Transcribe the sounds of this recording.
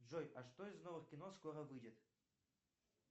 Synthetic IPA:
ʐojaʂt̪oizno̞vɨχkʲɪnoskoɾəvɨdʲɪt̪

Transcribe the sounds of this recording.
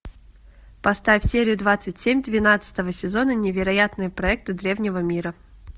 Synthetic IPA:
pɐst̪afʲfʲsʲeɾʲɪjʊd̪vat̪sɨtʲsʲemʲd̪vʲɪnat̪sɨ̥t̪əvəsʲɪzo̞nənʲɪvʲɪɾɐjat̪nɨjəpɾɐɛk̚t̪ɨd̪ɾʲe̞vnʲɪvəmʲiɾə

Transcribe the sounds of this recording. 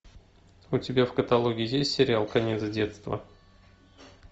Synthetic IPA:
ʊtʲɪbʲafkət̪ɐlˠoɡʲɪɪjesʲtʲsʲɪɾʲɪalˠkɐnʲet̪zdʲet̪st̪və̰

